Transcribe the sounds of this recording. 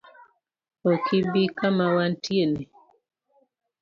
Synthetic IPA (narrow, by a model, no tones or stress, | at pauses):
okʰibikamawantjeni